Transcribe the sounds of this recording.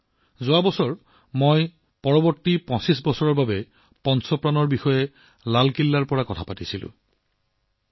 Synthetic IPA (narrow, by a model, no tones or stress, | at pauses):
zʊabɔsɔɹ | moj | pɔɹɔbɔɹtːipɔ̃sisbɔsɔɹɔɹbabɛ | pɔnsɔpɹanɔɹbixɔjɛ | lalkilːaɹpɔɹakɔtʰapatisilʊ̰̃